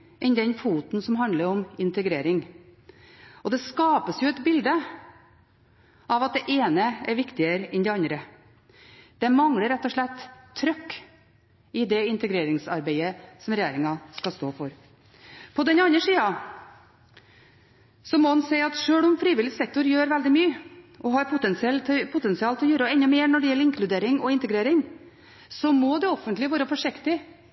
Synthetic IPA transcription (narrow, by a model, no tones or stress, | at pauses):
ʔɛnd̪ɛnfuːt̪n̩sɔmɦɑnd̪ləɾɔmɪnt̪əɡɾeːɾɪŋ | ɔd̪ɛskɑːpəsjʊɛt̪bɪld̪ə | ʔɑʋɑt̪̚d̪ɛʔeːnəɛɾʋɪkt̪ɪəɾəɛnd̪ɛɑnd̪ɾə | d̪̥ɛmɑŋɽəɾːɛt̪ːɔʂɭɛt̪ʰːɾœkː | ɪd̪ɛɪnt̪əɡɾeːɾɪŋsɑɾbeɪəsɔmɾɛjeːɾɪŋɑskɑst̪o̰ːfɔɾ | pʰɔd̪ɛnɑnəʂiːɑ | sɔmɔɑnseɪɑt̪ʂøːɭɔmfɾiːʋɪlːɪsɛk̚t̪ʊɾjøːɾʋɛld̪ɪmyːəʔɔɦɑɾpʰʊt̪ɛnsɪɛlʰpʰʊt̪ɛnsɪɑːlt̪ʰɪɔjøːɾɔɛnːəmeːɾnɔɖɛjɛlːəɾɪŋkʰlʉd̪eːɾɪŋɔɪnt̪əɡɾeːɾɪŋ | sɔmɔd̪ɛɔfənt̪lɪʋɑːɾəfɔʂɪkt̪ɪ